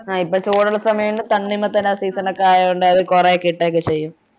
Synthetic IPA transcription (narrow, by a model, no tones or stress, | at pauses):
aːipːoːt͡ɕoːɽɐɭɐsɐmɐjɐmlet̪ɐɳːimːɐt̪ːɐnasiːsɐnɐkːaːjɐuɳɖɨɐðɨkurekiʈːeːkːet͡ɕejːum